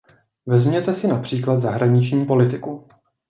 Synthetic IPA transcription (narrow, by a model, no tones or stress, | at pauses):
vɛzmɲɛt̪ɛsɪnapr̥iːklad̪zaɦɾaɲɪt͡ʃɲiːpo̞lɪt̪ɪku